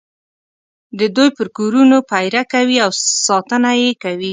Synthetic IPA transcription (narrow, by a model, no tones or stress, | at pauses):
d̪əd̪ujpəɾkoɾunopajɾakawiawsɑt̪ənajekawi